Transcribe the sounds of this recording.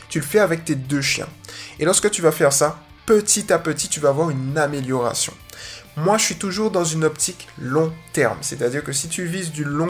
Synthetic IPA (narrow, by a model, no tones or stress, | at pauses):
t̪yləfɛavɛk̚t̪ed̪øʃjɛ̰̃elɔʁskət̪yvafɛʁsa | pət̪ʰit̪apət̪it̪yvaːvwaʁynameljɔʁa̰sjɔ̰̃ | mwaʒəʃɥit̪uʒuʁd̪ɑ̃zynɔpt̪ʰiklɔ̃t̪ɛʁmset̪ad̪iʁkəsit̪yvizd̪ylɔ̃